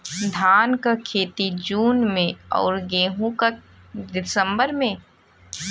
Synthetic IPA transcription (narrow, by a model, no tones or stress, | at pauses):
d̪ʱaːnkakʰeːt̪id͡ʒuːnmẽɔ̰ːɾɡeːɦũka | d̪ɪsəmbəɾmẽ